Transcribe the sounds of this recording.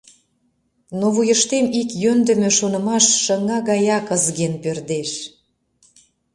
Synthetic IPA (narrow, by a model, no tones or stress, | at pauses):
noβujəʃt̪emikjønd̪ə̆mø̆ʃonə̆mɑʃːəŋɑɣɑjɑkəzɣenpørd̪eʃ